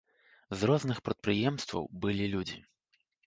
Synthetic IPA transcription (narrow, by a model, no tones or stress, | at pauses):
zɾɔznɨxpɾɐt̪̚pɾɨjɛmst̪vɐ̰wbɨlʲilʲud͡zʲḭ